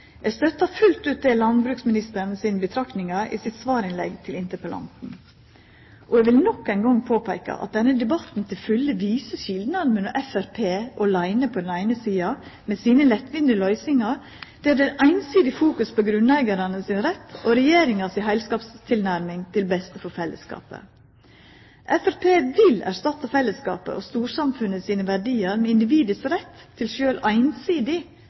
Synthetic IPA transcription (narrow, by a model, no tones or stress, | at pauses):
ɛɡst̪œt̪ːɑfʉlt̪ʉːt̪̚d̪ɛːlɑnbɾʉːksmɪnɪst̪əɾnsiːnəbət̪ʰɾɑknɪŋɑʔḭːsɪt̪sʋɑːɾɪnlɛ̰ɡt̪ʰɪlɪnt̪əpəlɑ̰nt̪n̩ | ʔɔɛɡʋɪlnɔkːæɪnɡɔŋpʰoːpʰæɪkɑ̰ʔɑ̰t̪̚d̪ɛnːəd̪ɛbɑt̪n̩t̪ʰɪlfʉlːəʋiːsəçɪld̪nɑd̪mənɔʔɛfæɾpʰeːʔɔlæɪnəpʰɔd̪ɛnæɪnəsiːɑmɛsiːnəlɛt̪ʋɪnd̪ɪlœʏsɪŋɑ | d̪̥ɛːd̪ɛʔæɪnsiːd̪ɪfuːkʉspʰoɡɾʉnlæɪɡɑɾɑnəsɪnɾɛt̪ʰːoɾɛjeːɾɪŋɑsɪɦæɪlskɑːpst̪ʰɪlnæɾmɪŋt̪ʰɪlbɛst̪əfɔɾfɛlːə̰skɑ̰ːpə̰ | ʔɛfæɾpʰeːʋɪlæ̰ɾʂt̪ɑt̪ːɑfɛlːəskɑ̰ːpə̰ʔɔst̪uːɾsɑmfʉnːəsiːnəʋæɖiːɑɾmɛɪnd̪ɪʋiːd̪əsɾɛt̪ʰːɪlʃøːlʔæɪnsiːd̪ɪ